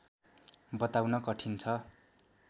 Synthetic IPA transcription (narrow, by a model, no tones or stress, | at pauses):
bʌt̪awnʌkʌʈʰint͡sʰʌ